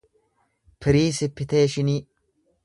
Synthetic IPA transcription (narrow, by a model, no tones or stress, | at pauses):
pʰɪɾiːsɪpːɪt̪eːʃɪniː